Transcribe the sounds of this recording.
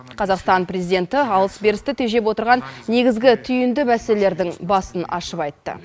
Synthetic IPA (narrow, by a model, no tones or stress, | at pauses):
qʰɑzɑqst̪ɑnprezijd̪ʲe̞nt̪ɪɑlˠəsbe̞ɾɪst̪ɪt̪ʰe̞ʒe̞p̬wo̞t̪əɾʁɑnːe̞ɡʲɪzɡʲɪt̪ʰʏjɪnd̪ɪmæselele̞ɾd̪ɪŋbɑsənɑ̰ʃəpɑjt̪ːə̰